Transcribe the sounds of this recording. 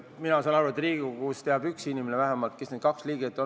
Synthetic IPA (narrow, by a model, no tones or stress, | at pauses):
minɑsɑnɑɾvɑt̪ːˑɾiːɡukust̪eɑbyksinimenevæɦemɑlt̪̚kesned̪̥̚kɑksliːɡ̥et̪ːˑo